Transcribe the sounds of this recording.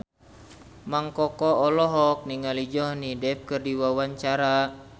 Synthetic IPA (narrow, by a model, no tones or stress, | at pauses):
maŋkɔkɔːlɔɦɔk̚niŋalid͡ʒɔhnidɛp̚kɨrdiwawaɲt͡ʃaɾa